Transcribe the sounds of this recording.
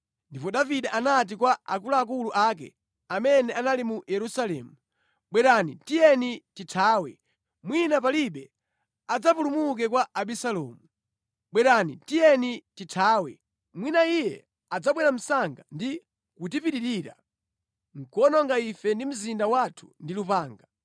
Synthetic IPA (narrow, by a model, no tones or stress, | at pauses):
ndipɔɗaviɗaʔanat̬ikwaakulaːk̬uluʔak̬ɛ̰ | amɛnɛanalimujɛɾusalɛːmu | ɓwɛɾanitijɛnititʰaːwɛ̰ | mwinapaliɓɛ | ad͡zap̬ulumuk̬ɛkwaaɓisalɔmu | ɓwɛɾanitijɛnititʰaːwɛ | mwinaijɛ̰ | ad͡zaɓwɛɾam̩saŋɡandi | kutipiɗiɾiːɾa̰ | ŋ̩kɔnɔŋɡaifɛndim̩zindawatʰu̥ndilupaːŋɡa